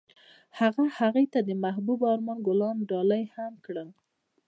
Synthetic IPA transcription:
haɣahaɣejt̪ad̪əmahbubɑɾmɑnɡʊlɑnɖɑlajhamkɽəl

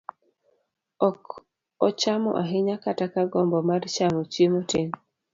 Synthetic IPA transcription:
ɔk | ɔt͡ʃamɔ̰ʔaɦɪɲakatakaɡɔmbɔmart͡ʃamot͡ʃjemoteɲ

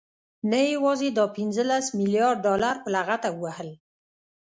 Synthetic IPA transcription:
najawɑzed̪ɑpɪnzəlasmiljɑɾɖ̚ːɑlaɾpəlaɣat̪aəwahəl

